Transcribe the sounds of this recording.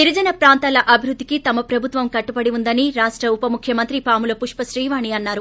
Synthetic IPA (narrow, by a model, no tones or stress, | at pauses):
t̪iɾid͡ʒɐnɐpɾaːnt̪aːlɐʔɐbʱiɾud̪ʱːikit̪ɐmɐpɾɐbʱut̪ʋɐmkɐʈːupɐɽiund̪ɐniɾaːʂʈɾɐupɐmukʰjɐmɐnt̪ɾipaːmulɐpuʂpɐsɾiːʋaːɳiɐnːaːɾu